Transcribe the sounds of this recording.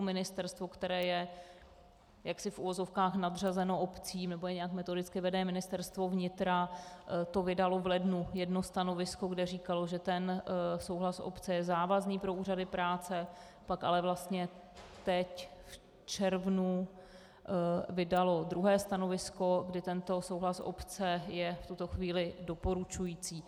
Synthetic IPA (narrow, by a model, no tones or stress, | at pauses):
mɪnɪst̪ɛɾst̪vo̞kt̪ɛɾɛːjɛ | jaksɪfʔuvo̞zo̞fkaːxnadr̝azɛno̞ʔopt͡siːmnɛbojɛɲɛjakmɛt̪o̞dɪt͡skɪvɛdɛːmɪnɪst̪ɛɾst̪vo̞vɲɪt̪ɾat̪o̞vɪdalo̞vlɛdnujɛdno̞st̪ano̞vɪsko̞ɡdɛriːkalo̞ʒɛt̪ɛnso̞wɦlasʔo̰pt͡sɛjɛzaːvazniːpɾo̞uːradɪpɾaːt͡sɛ | paka̰lɛvlast̪ɲɛ | t̪ɛcf | t͡ʃɛɾvnu | vɪdalo̞d̪ɾuɦɛːst̪ano̞vɪsko̞ɡdɪt̪ɛnt̪o̞sowɦlasʔo̰pt͡sɛjɛft̪ut̪o̞xviːlɪdo̞po̞ɾut͡ʃujiːt͡siː